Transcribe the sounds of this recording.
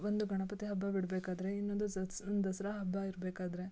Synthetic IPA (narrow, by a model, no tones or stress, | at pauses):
ʋond̪uɡʱɐɳɐpɐt̪iɦɐbːabiɽbeːkaːd̪ɐɾe̞inːond̪uɐsnd̪ɐsɐɾɐɦɐbʱːaiɾbeːkaːd̪ɐɾe̞